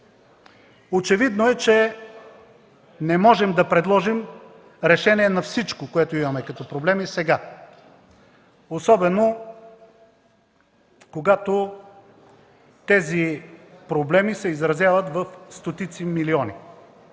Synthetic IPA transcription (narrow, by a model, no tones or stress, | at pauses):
ot͡ʃɛvid̪noɛt͡ʃɛ | nɛmɔʒɛmd̪ɐpɾɛd̪lˠɔʒim | ɾɛʃɛniɛnɐfsit͡ʃkokoɛt̪oimɐmɛkɐt̪ɔpɾoblɛmisɛɡa | osɔbɛno | koɡat̪o | t̪ɛzipɾoblɛmisɛizɾɐzjavət̪vɐfst̪ot̪it̪similiɔni